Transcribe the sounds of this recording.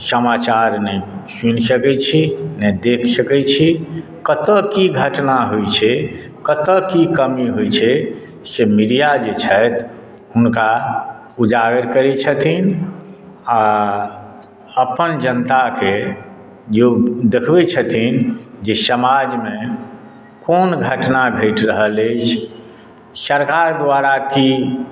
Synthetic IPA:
səmat͡ʃaɾnɛsunsəkɛt͡ʃʰinɛd̪ekʰsəkɛt͡ʃʰi | kət̪əkiɡʱəʈnaɦojt͡ʃʰɛ | kət̪əkikəmiɦojt͡ʃʰɛ | semiɾijad͡ʒet͡ʃʰəjt̪ | ɦunka | ud͡ʒaɡəɾkəɾɛt͡ʃʰət̪ʰin | a | əpənd͡ʒənt̪ake | d͡ʒed̪ekʰbɛt͡ʃʰət̪ʰind͡ʒesəmad͡ʒmẽ | konɡʱəʈnaɡʱəɪʈɾəɦələt͡ʃʰ | səɾkaɾd̪waɾaki

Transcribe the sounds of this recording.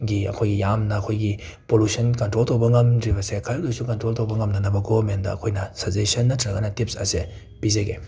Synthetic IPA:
ɡiɐ̰kʰojɡijamnɐːkʰojɡi | polusɐnkɐntɾoltowbɐŋɐmdɾibɐsekʰɐllojsukɐntɾoltowbɐŋɐmnɐnɐbɐɡobɐɾmendɐ̰ɐ̰kʰojnɐsɐzesɐnːɐtʰɾɐɡɐnɐtip̚sɐ̰se | pizeɡe

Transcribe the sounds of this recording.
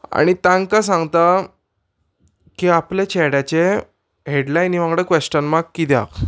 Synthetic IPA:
a̰ɽ̃it̪ãŋɡkas̬ãŋɡt̪a | kiaplet͡ɕʰɛɽjat͡ɕe | ɦeɽlajniʋãŋɡɽəkʋesʈənmakkːid̪ja̰k

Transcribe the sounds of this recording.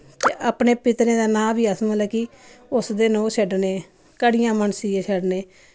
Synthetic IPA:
teʔaːpɳeːpɪt̪ɾẽːd̪aːnãːbiːəsnːlɛːkiː | ʊsd̪eːnõːʃəɖneː | kəɽɪjãːməɳsiːeːt͡ʃʰəɖneː

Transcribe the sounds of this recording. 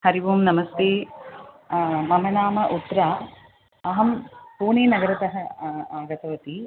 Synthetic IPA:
hɐɾiʋuːmnɐmɐst̪eː | mɐmɐnaːmɐʔut̪ɾaː | ɐɦɐmpuːɳiːnɐɡɐɾɐt̪ɐɦɐaːɡɐt̪ɐʋɐt̪i

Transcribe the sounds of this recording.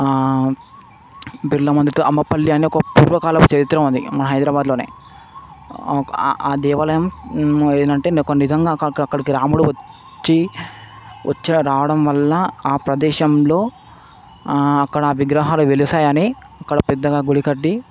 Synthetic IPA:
biɾlɐmɐnd̪ɐt̪uʔɐmːɐpɐlːiɐneɔkɐpṵːɾʋɐkaːlɐkut͡ʃɐɾit̪ːɾɐund̪ḭmɐnɐɦɐjd̪ɾaːbaːd̪lo̞ːnḛː | aːd̪ɛːʋɐlɐjɐmeːɐɳʈe̞ːnkonːizɐŋɡaːkɐɐkːɐɽikiɾaːmuɽuʋɐ | t͡ʃːi | ʋɐ̰t͡ʃːɐɾaːʋɐɽɐmʋɐlːɐaːpɾɐd̪ɛːʃɐmlo̞ː | ɐkːɐɽɐːʋiɡɾɐːɦaːluʋelisaːjɐneː | ɐkːɐɽɐpɛd̪ːɐɡaːɡuɽikɐɖːi

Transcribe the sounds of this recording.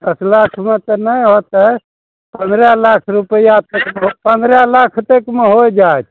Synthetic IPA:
d̪əslakʰmet̪ɔnəjɦot̪ə | pənd̪ɾɛlakʰɾupəijat̪ekmeɦopənd̪ɾɛlakʰt̪ekmeɦojd͡ʒaet̪ʰ

